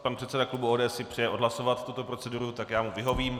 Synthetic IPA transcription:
panpr̥ɛt̪sɛdaklubuoːdɛːsɪpr̝̥ɛjɛʔo̞dɦlaso̞vat̪ːut̪o̞pɾo̞t͡sɛduɾut̪akjaːmuvɪɦo̞viːm

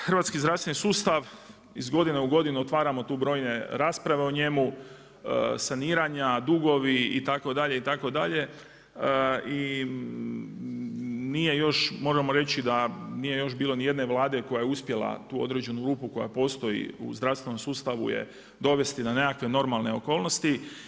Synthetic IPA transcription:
xərʋat̪skizd̪ɾast̪ʋe̞nisuːst̪aʋ | izɡo̞d̪ineuɡo̞d̪inuot̪ʋaːɾamo̞t̪uːbɾo̞ːjne̞ɾaːspɾaʋe̞oɲe̞mu | saniːɾaɲad̪uɡo̞ʋiit̪ako̞d̪aʎe̞it̪ako̞d̪aʎe̞ | i | nije̞jo̞ʃmo̞ːʒemo̞ɾe̞t͡ɕid̪aniːje̞jo̞ʃbiːlo̞nije̞d̪ne̞ʋlˠaːd̪e̞ko̞jajeuspje̞lˠa̰t̪uːo̞d̪ɾe̞d͡ʑe̞nuɡɾuːpuko̞ja̰po̞ːst̪o̞ḭṵzd̪ɾafst̪ʋe̞no̞msuːst̪aʋṵjḛ | d̪o̞ʋe̞st̪inane̞kakʋe̞no̞ɾmalˠne̞o̞̰ko̞ːlno̞st̪i

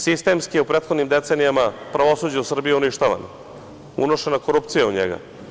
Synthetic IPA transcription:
sist̪e̞mskijeupɾet̪xod̪nimd̪e̞t̪seːnijamapɾaʋo̞suːd͡ʑausr̩bijiuniʃt̪aʋa̰n | ṵno̞ʃenakoɾup̚t̪sijauɲḛɡa̰

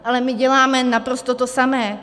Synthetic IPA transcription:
ʔalɛmɪɟɛlaːmɛnapɾost̪ot̪osamɛː

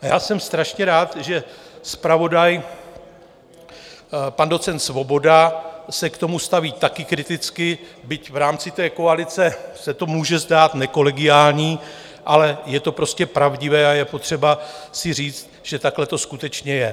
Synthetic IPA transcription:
jaːsɛmst̪ɾaʃɲɛɾaːt̪ʒɛspɾavo̞daj | pando̞t͡sɛnt̪svo̞bo̞dasɛkt̪o̞must̪aviːt̪akɪkɾɪt̪ɪt͡skɪbɪcvɾaːmt͡sɪt̪ɛːko̞alɪt͡sɛsɛt̪o̞muːʒɛzdaːt̪nɛko̞lɛɡɪjaːlɲiː | ʔalɛjɛt̪o̞pɾo̞scɛpɾavɟɪvɛːajɛpo̞t̪r̝̥ɛbasɪr̝iːt͡st̪̚ʒ̥ɛt̪aklɛt̪o̞skut̪ɛt͡ʃɲɛjɛ

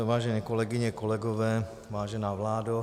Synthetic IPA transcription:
vaːʒɛɲɛːkolɛɡɪɲɛkolɛɡovɛː | vaːʒɛnaːvlaːdo

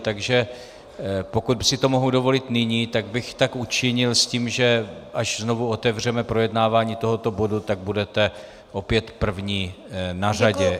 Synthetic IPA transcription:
t̪aɡʒɛ | po̞kut̪sɪt̪o̞mo̞ɦudovo̞lɪt̪nɪɲiːt̪aɡbɪxt̪akut͡ʃɪɲɪlsciːmʒɛʔaʃzno̞vuo̞t̪ɛvr̝ɛmɛpɾo̞jɛdnaːvaːɲiːt̪o̞ɦo̞t̪o̞bo̞dut̪aɡ̚budɛt̪ɛ | ʔo̞pjɛt̪pr̩vɲiːnaraɟɛ

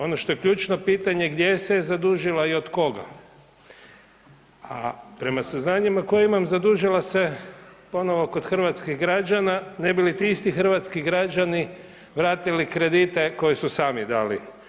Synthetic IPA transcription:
o̞noʃt̪o̞jekʎut͡ʃno̞piːt̪aɲe̞ɡd̪jesezad̪uʒilaio̞d̪ko̞ɡa̰ | apɾe̞masaznaːɲimako̞jaimamzad̪uʒilase̞po̞no̞ʋoko̞d̪xr̩ʋat̪skiɣɡɾad͡ʒanane̞bilit̪iist̪ixr̩ʋat̪skiɡɾad͡ʒani | ʋɾaːt̪ilikɾe̞d̪it̪e̞ko̞jisusaːmid̪aːlḭ

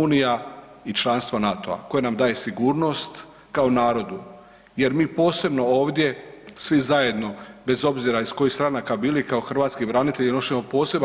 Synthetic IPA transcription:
uːnija | it͡ʃlˠanst̪ʋonat̪o̞̰a̰ko̞jenamd̪aːje̞siɡuːɾno̞st̪ | kao̞naːɾo̞d̪u | je̞ɾmiːpo̞ːse̞bno̞o̞ːʋd̪je̞sʋizaje̞d̪no̞be̞zo̞bziɾaisko̞jist̪ɾanakabiːlikao̞xr̩ʋaːt̪skibɾanit̪e̞ʎinoʃɲemo̞po̞ːse̞b

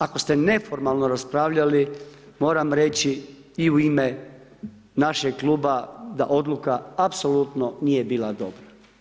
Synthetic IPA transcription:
ako̞st̪ene̞fo̞ɾmalˠnoɾaspɾaːʋʎalimo̞ːɾamɾe̞t͡ɕi | iuime | naʃeɡklˠuːbad̪a̰ʔo̞d̪lˠukaapso̞lut̪nonije̞biːlˠad̪o̞̰bɾa

